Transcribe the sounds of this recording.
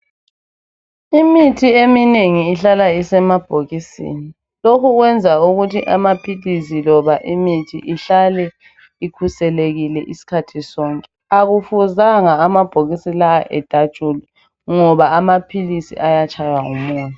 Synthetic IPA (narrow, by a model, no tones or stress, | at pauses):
imitʰiemineŋiːɬalaisɛmab̥ʱoɣisḭːni | lokʰuɣwɛnd͡zʱauɣutʰiʔamapʰilisilɔβaʔimitʰḭʔiɬalɛ | ikʰusɛleɣilɛʔisi̥kʰatʰisɔːŋkʼɛ | aɣufuzaŋaːmab̥ʱoɣisilaaʔɛd̥ʱad̥t͡ʃʼuli | ŋɔβaːmapʰilisḭʔajat͡ʃʼʰajwaŋṵmuːntu